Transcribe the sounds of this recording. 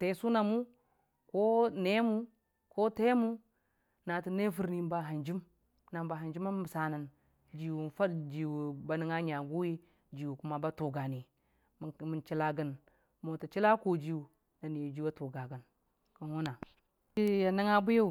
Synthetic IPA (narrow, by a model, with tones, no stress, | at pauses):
te˨˦su˦na˨mu˦ | ko˦ne˦mu˦ | ko˦te˦mu˦ | na˨ti˨ne˦fu˨ɾni˦m˦ba˨ɦa˨nd͡ʒi˦m | na˨m˨ba˨ɦa˨nd͡ʒi˦ma˦m˦˨sa˨na˨n | d͡ʒi˨wu˨n˨fa˦dd͡ʒi˨wu˨ba˨ni˦ŋa˦ɲa˨ɡu˦ji˦ | d͡ʒi˨wu˨ku˦ma˦ba˦tu˨ɡa˨ni˨ | mi˨nt͡ʃi˦la˦ɡə˦n | mo˨ti˨t͡ʃi˦la˦ko˨d͡ʒi˨wu˨ | na˨ni˨d͡ʒi˦wa˦tu˨ɡa˨ɡə˨n | ku˨nwu˦na˨ | i˦ja˨ni˦ŋa˦bu˦ja˦u˨